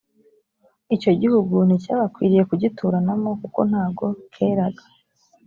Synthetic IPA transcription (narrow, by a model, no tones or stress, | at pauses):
ico̞ɟihuɡun̥icaːβakwiːɾije̞kuɟitʰuːɾanamo̞kuko̞̰n̥haːbɡo̞kʰe̞ːɾaɡḁ